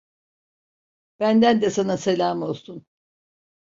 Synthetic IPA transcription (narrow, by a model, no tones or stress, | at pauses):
b̥ænd̪ænd̪ɛsanaselʲaːmo̞lˠsun